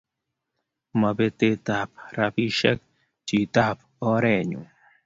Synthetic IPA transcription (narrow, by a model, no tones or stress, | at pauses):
mɐbet̪et̪ap̚ɾapiʃek̚ | t͡ɕit̪ap | oːɾeːɲṵ